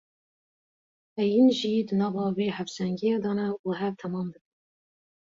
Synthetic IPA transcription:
ʔɛjinʒiːd̪ɨnɑːvɑːweːhæfsæŋɡijɑːd̪ɑːnɛuɦɛvt̪ʰɛmɑːmd̪ɨkɨn

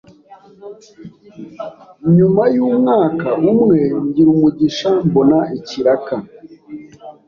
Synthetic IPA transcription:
ɲumajuːmŋaːkaʔumŋe̞ɲɟiɾumuɟiʃambo̞naiciɾaka

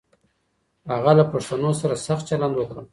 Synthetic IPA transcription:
haɣalapaʂt̪anosaɾasax̚t͡ʃaland̪wəkɾəm

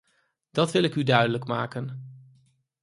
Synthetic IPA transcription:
d̥ɑtʋɪlɪkydœɥdələkma̰ːkən

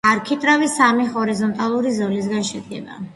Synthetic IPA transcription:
aɾkʰit̪ʼɾavisamihɔɾizɔnt̪ʼalˠuɾizɔlis̬ɡanʃɛd̪ɡɛ̰ba̰

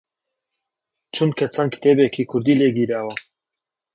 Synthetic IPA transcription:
t͡ʃʰunkʰɐt͡sʰankt̪ʰebekʰikʰuɾd̪iːleɡiɾaːwa

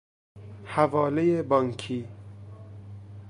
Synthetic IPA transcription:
havɒːlejebɒːŋkʰiː

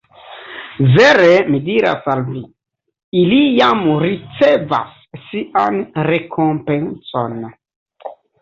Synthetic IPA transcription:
veɾemidiɾa̰salvi | ilijamɾit͡seva̰sː | iʔanɾekʰompenso̰n

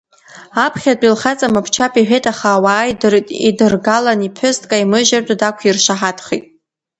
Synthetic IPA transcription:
apʰχʲat͡pʼilχat͡sʼamɨpʰt͡ʃʰapʰʼiħᶣejtʼaχaːwaːjdɨrtʼḭdɨrɡalanipʰʊstʼkʼaimɨʒartʷʼadakʷʰirʃaħatʰχḭtʼ

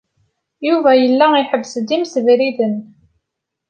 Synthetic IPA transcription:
juvæjəlːæiħəbːsd̪imsəvɾiðən

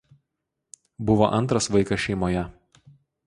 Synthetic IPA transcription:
bʊʋoʔɐnt̪ɾɐsʋɐɪkɐʃʲɛɪmoːjɛ

